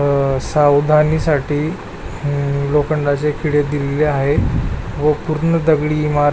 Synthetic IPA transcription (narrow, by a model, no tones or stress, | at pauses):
sawd̪ʱaniːsaʈʰiː | lokəɳɖat͡sekʰiɽed̪ileleaɦeʋəpuɾɳəd̪əɡɭiːmaɾ